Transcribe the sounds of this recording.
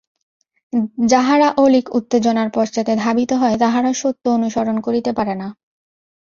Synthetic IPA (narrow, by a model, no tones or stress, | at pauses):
d͡ʑaɦaɾaʔolikṵt̪ːed͡ʑonaɾpɔɾd͡ʑat̪ed̪ʱabit̪oɦɔet̪aɦaɾaʃot̪ːoonuʃoɾonkoɾit̪epaɾena